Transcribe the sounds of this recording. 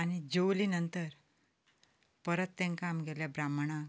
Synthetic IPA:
añid͡ʑowlinənt̪əɾ | pəɾət̪ːẽŋkamɡeljabɾamɳ̃a

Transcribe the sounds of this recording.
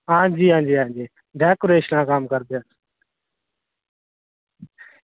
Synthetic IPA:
ãːd͡ʒiːãːnd͡ʒeːãːd͡ʒeː | ɖʱɛːkoːɾeːʃnãːkaːmkəɾd̪eəs

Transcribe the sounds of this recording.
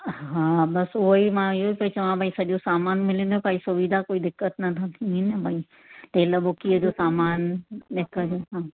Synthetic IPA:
ɦɦãːbɐsʊɦoimãɪɦoipɐit͡ɕɐʋãbʱaːisɐɗjosaːmaːnmɪlẽnd̪opaːisʊʋid̪ʱakoːid̪ɪkːət̪nɐt̪ʰãt̪ʰĩɦnebʱai | t̪elɐbokiəd͡ʑosaːmaːnɗekɐɾoɦãː

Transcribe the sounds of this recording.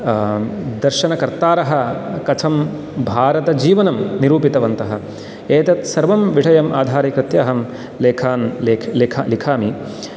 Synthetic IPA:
d̪ɐɾʃɐnɐkɐɾt̪aːɾɐɦɐ̆kɐt͡ʃʰɐm | bʱaːɾɐt̪ɐd͡ʒiːʋɐnɐmniɾuːpit̪ɐʋɐnt̪ɐɦɐ̆ | eːt̪ɐt̪sɐɾʋɐmʋiʈɐjɐmʔaːd̪ʱaːɾikɾɪt̪jɐːɦɐm | leːkʰaːnleːkʰlekʰalikʰaːmi

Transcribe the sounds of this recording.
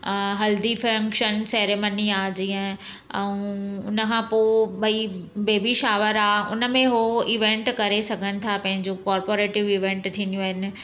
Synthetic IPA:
ɦɐld̪ifɾə̃ŋkʃənsɛːɾeːmaniaːd͡ʑiɦə̃ | ɛ̃ũʊnəkʰãːpoɓɐibeːbiʃaːʋəɾaːʊ̰nə̆mẽɦoiʋẽɳʈkɐɾesɐɡʱənɪ̆t̪ʰapɐ̃ɦɪ̃ɲd͡ʑokɔːɾpoːɾeːʈɪʋiːʋẽːɳʈt̪ʰĩːnd̪ijũɦɪnɪ̆

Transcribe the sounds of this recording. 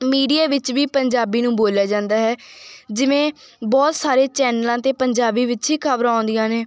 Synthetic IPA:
miːɖijaːʋɪt͡ʃʋiːpəɲd͡ʒaːbiːnũːboːljaːd͡ʒãːnd̪aːɦɛːd͡ʒɪʋẽː | bɔːt̪saːɾeːt͡ʃɛːnəlãːt̪eːpəɲd͡ʒaːbiːʋɪt͡ʃɦiːkʰəbɾãːnd̪ijãːneː

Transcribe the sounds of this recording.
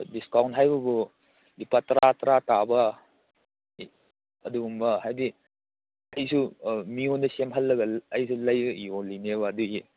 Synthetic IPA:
diskawntɦajbɐbu | lipatɐɾatɐɾatabɐ | ɐduɡumbɐhajdi | ɐjsumiondɐsemɦɐlːɐɡɐɐjsulɐjiolineβɐːduɡi

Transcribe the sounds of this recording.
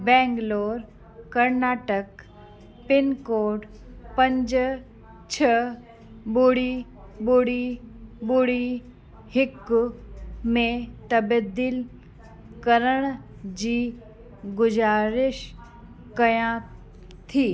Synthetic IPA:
bɛ̃ːŋɡloːɾ | kɐɾnaːʈək | pɪnkoːʈ | pə̃ɲd͡ʒ | t͡ɕʰə | buɽi | buɽibuɽi | hɪk | mẽt̪ɐbəd̪ɪl | kəɾəɽ̃ | d͡ʑiː | ɡʊd͡ʒaːɾɪʃ | kɐjã | t̪ʰiː

